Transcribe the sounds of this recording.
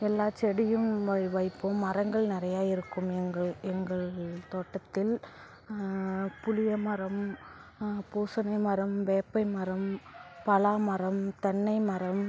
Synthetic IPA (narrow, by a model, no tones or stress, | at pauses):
ɛlːaːt͡ʃɛɽɪjɯmɐʋɐɪpːoːɐɾɐŋɡɐɭnɪɾɐjaːjɪɾɯkːɯmɛŋɡɐɭɛŋɡɐɭt̪oːʈːɐt̪ːɪl | pʊlɪjɐmɐɾɐm | puːsɐnɐɪmɐɾɐmʋeːpːɐɪmɐɾɐmpɐlaːmɐɾɐmt̪ɐɳːɐɪmɐɾɐm